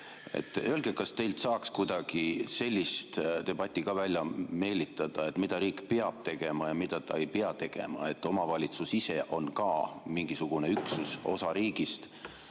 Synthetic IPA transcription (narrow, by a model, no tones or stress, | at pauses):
ḛt̪ːˑølɡ̥ekɑst̪e̞jlt̪sɑːkskujd̪̥ɑɡ̥ise̞lʲːist̪t̪e̞b̥ɑt̪ʲːˑikɑvælʲjɑme̞ːlit̪ːˑɑd̪̥ɑe̞t̪mid̪̥ɑɾiːkpeɑb̥̚t̪e̞ɡ̥e̞mɑjɑmid̪ɑt̪ɑe̞jpeɑt̪e̞ɡ̥e̞̰mɑ̰e̞t̪ːˑo̞mɑvɑlʲit̪susise̞ʔo̞nkɑːmiŋɡ̥isuɡ̥une̞yksuso̞̰sɑɾiːɡ̥ist̪